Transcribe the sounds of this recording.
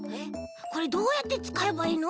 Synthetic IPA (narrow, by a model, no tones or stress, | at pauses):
eko̞ɾe̞d̪o̞ːjat̪ːe̞t͡sɨ̥kae̞baiːno